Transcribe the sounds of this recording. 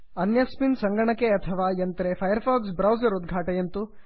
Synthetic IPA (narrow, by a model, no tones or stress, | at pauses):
ɐnjɐspinsɐŋɡɐɳɐkːeɐt̪ʰɐʋaːjɐnt̪ɐɾepʰɐjɐɾpʰaːɡsbɾɐwzɐɾud̪ɡʱaːʈɐjɐnt̪u